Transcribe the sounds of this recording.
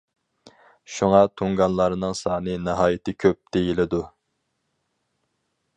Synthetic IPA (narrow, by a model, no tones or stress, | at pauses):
ʃuŋɑt̪ʰoŋɡɑnlˠɑɾɨnɨŋsɑːnɨneɦɑːjit̪ʰɪkʲʰøp̚d̪̥ejilɪd̪u